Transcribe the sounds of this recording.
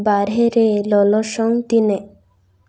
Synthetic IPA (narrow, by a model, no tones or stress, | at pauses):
baɾɦeɾelɔlɔʃɔŋt̪ine